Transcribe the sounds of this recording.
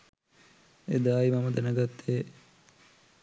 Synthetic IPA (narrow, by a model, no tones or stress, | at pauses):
ḛd̪aːimɐməd̪ɛnəɡat̪ːe